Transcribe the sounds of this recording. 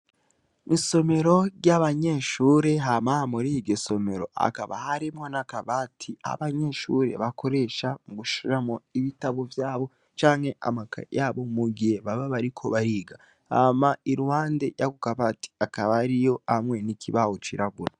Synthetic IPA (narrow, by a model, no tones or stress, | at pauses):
iso̞me̞ɾo̞ɟjaβaɲe̞ʃuːɾe̞ɦamamuɾiiɡeso̞me̞ɾo̞̰a̰kaβa̰haɾimŋonakaβatʰia̰βaɲe̞ʃuɾe̞̰βakʰo̞ɾe̞ʃamuɡuʃiɾamoiβitaβovjaːβo̞ | t͡ʃaːŋhe̞ʔa̰maka̰jaːβo̞muɡihe̞βaβaβaɾikʰo̞βaɾiːɡa | hamaiɾuhaːndejaɡukaβati̥akaβaɾijo̞amŋe̞nikʰiβawot͡ʃiɾaɡuɾa